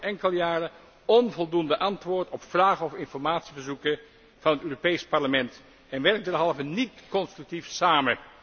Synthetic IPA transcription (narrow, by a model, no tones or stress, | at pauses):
ʔɛŋkəlˠəjaːrə | ɔnvɔlˠdundəʔɑntʋʊːɹtɔpfraːχəɔfɪnfɔɹmaːtsivəɹzukə | v̥ɑnɦətøːropejspɑɹləmɛnt | ɛnʋɛrk̚dɛɹɦɑlˠvənitkɔnstrʉk̚tifsaːmə